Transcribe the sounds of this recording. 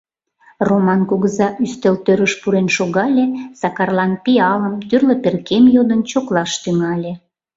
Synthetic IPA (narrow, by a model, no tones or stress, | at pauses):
romɑnkoɣəzɑʔyst̪elt̪øɾəʃpuɾenʃoɣɑlʲesɑkɑrlɑnpiɑləmt̪yrləperkemjod̪ənt͡ɕoklɑʃt̪yŋɑlʲe